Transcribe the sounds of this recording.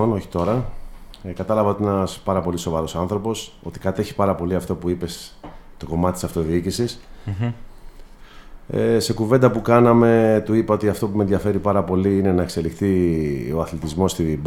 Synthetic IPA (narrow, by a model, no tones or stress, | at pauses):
ono̞çi̥t̪o̞ɾɐ | kɐt̪ɐlɐvɐot̪ienɐspɐɾɐpo̞liso̞vɐɾo̞sɐnθɾo̞po̞so̞t̪ikɐt̪e̞çi̥pɐɾɐpo̞liɐft̪o̞puipe̞st̪o̞ko̞mɐt̪t̪isɐft̪o̞ðiicisis | se̞kuve̞nd̪ɐpukɐnɐme̞t̪uipɐo̞t̪iɐft̪o̞pume̞nðjʝɐfe̞ɾipɐɾɐpo̞liine̞nɐekse̞lixt̪ioɐθlit̪izmo̞st̪ib